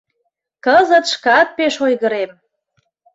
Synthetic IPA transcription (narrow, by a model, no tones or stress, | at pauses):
kəzət̪ʃkɑt̪̚peʃojɣəɾem